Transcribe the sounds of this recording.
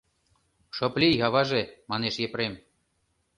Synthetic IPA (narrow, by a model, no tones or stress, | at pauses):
ʃŏplʲiɣɑβɑʒemɑneʃjepɾem